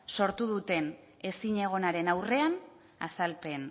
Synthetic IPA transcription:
so̞ɾt̪uð̞ut̪e̞n | e̞siɲe̞ɣ̞o̞naɾe̞nawre̞an | a̰salpe̞n

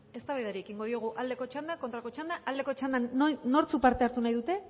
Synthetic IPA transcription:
e̞st̪aβeðaɾie̞kiŋɡo̞ðio̞ɣ̞uʔald̪e̞ko̞t͡ʃand̪ako̞nt̪ɾako̞t͡ʃand̪aʔald̪e̞ko̞t͡ʃand̪ano̞ɾt͡supaɾt̪e̞aɾt̪unajðut̪e̞

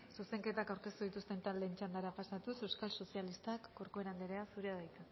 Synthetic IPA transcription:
suse̞ŋke̞t̪akawɾke̞st̪uðit̪ust̪e̞nt̪ald̪eːnt͡ʃand̪aɾapasat̪use̞wskalso̞sijalist̪akːo̞ɾkoeɾand̪eɾeasuɾeaðajt̪e

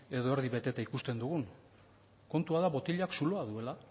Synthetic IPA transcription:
e̞ðo̞e̞ɾðiβe̞t̪e̞t̪aikust̪e̞nd̪uɣ̞uŋ | ko̞nt̪uaðaβo̞t̪iʎaksuloaðue̞la

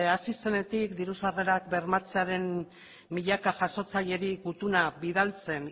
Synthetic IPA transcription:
asise̞ne̞t̪ikd̪iɾusare̞ɾakbe̞ɾmat͡se̞aɾe̞m | miʎakaʝaso̞t͡saʎe̞ɾiɡut̪unaβiðalt͡se̞n

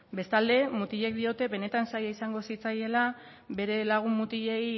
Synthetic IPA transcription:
be̞st̪ald̪e̞mut̪iʎe̞k̚d̪io̞t̪e̞βe̞ne̞t̪ansajaisaŋɡo̞sit͡saje̞la | be̞ɾe̞laɣ̞umːut̪iʎej

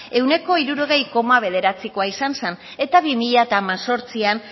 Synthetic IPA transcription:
e̞wne̞ko̞iɾuɾo̞ɣ̞e̞jko̞maβ̞e̞ð̞e̞ɾat͡siko̞aisansen | e̞t̪aβimiʎat̪amaso̞ɾt͡sian

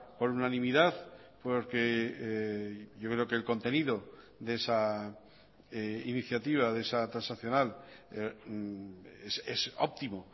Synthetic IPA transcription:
po̞ɾunanĩmiðaθ | poɾke̞ | jo̞kɾe̞okelko̞nt̪e̞niðo̞ | ðe̞sa | iniθjat̪iβ̞aðe̞sat̪ɾansakθjo̞nal | eseso̞̰p̚t̪imo

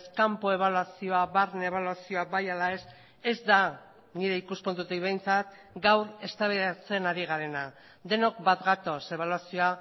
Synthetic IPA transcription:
skampo̞e̞β̞aluasio̞aβaɾneβaluasio̞aβajalae̞s | e̞zd̪a | niɾe̞ikuspont̪ut̪ejβe̞jnt͡sat̪̚ | ɡawɾe̞st̪aβiðt͡se̞naɾiɣ̞aɾe̞na | d̪e̞no̞kbat̪ɣat̪o̞se̞β̞alwasioa

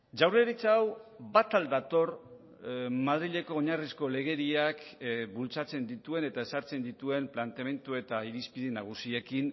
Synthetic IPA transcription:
d͡ʒawɾle̞ɾit͡saːwbat̪ald̪at̪o̞r | mað̞ɾiʎe̞ko̞ːɲarisko̞le̞ɣ̞e̞ɾiakbult͡sat͡se̞nd̪it̪ue̞ne̞t̪ae̞saɾt͡se̞nd̪it̪ue̞mplant̪eame̞nt̪ue̞t̪aiɾispiðinaɣ̞usie̞kin

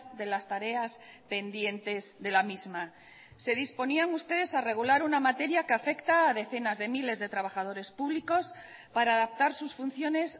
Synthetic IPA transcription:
ðe̞last̪aɾe̞aspe̞nd̪je̞nt̪e̞zðe̞lamizma | se̞ð̞ispo̞niaŋust̪e̞ð̞esare̞ɣ̞ulaɾunamat̪e̞ɾjakeafe̞kt̪aːðe̞θe̞nazðe̞mile̞zðe̞t̪ɾaβ̞aχað̞o̞ɾe̞spuβliko̞s | paɾaːðap̚t̪aɾsusfun̟θjo̞ne̞s

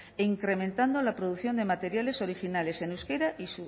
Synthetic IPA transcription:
iŋkɾe̞mẽnt̪and̪o̞lapɾo̞ð̞uθjo̞nd̪e̞mat̪e̞ɾjale̞so̞ɾixinale̞se̞newskeɾaʔisu

